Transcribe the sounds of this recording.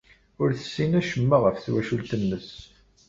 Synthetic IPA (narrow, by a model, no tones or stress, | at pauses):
ʊɾθə̥sːinæʃəmːaʁəfθwæʃult̪ənːəs